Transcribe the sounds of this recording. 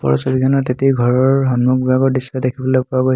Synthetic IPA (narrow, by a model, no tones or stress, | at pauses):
pɔ̰ɹɔsɔbikanɔtetiɡʱɔɹɔɹɦɔnmuk̚baɡɔɹdisadekʰibɔlɔjpʊaɡojs